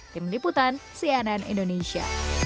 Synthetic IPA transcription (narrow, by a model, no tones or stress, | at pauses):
t̪ɪmliput̪ansiananḭndonesia̰